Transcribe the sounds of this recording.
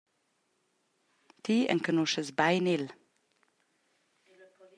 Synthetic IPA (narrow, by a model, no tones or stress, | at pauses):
t̪ʰiːʔɛ̰ŋkʰənuʃəsbæɪnɪl